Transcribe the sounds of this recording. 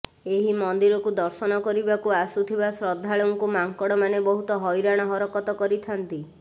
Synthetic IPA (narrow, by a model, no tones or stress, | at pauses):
eɦimɔnd̪iɾɔkud̪ɔɾsɔnɔkɔɾibakuasut̪ʰibasɾɔd̪ʱːaɭoŋkumaŋkɔɽɔmanebɔɦut̪ɔɦɔjɾaɽ̃ɔɦɔɾɔkɔt̪ɔkɔɾit̪ʰant̪i